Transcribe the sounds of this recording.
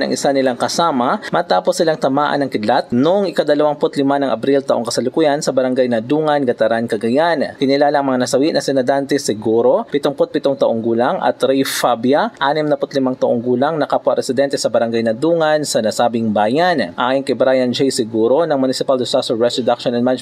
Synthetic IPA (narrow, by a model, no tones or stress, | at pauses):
nɐ̰ŋʔɪsanɪlaŋkɐsaːmɐmɐt̪aːposːɪlaŋt̪ɐmaːʔɐ̰nːɐŋkɪd̪lat̪̚noŋɪkɐd̪ɐlɐwaŋpʊt̪lɪmanɐŋʔɐbɾilt̪ɐʔoŋkɐsɐlʊkujansɐbɐɾɐŋɡajnɐd̪uːŋɐnɡɐt̪ɐɾankɐɡɐjankɪnɪlaːlɐŋmɐŋanɐsɐwiʔnɐsɛnɐd̪ant̪ɛsɪɡuːɾo̞pɪt̪oŋpot̪̚pɪt̪oŋt̪ɐʔoŋɡuːlaŋʔɐ̰t̪ɾɛjfabjɐʔaːnɪmnɐpʊt̪lɪmaŋt̪ɐʔoŋɡuːlɐŋnɐkapʊwaʔɾɛsɪd̪ɛnt̪ɛsɐbɐɾɐŋɡajnɐd̪uːŋɐnsɐnɐsaːbɪŋbaːjanʔajonkɐjbɾajɐnd͡ʒɛjsɪɡuːɾo̞nɐŋmʊnɪsɪpald̪ɪsasɔːɛsɾod̪ak̚ʃonɐnman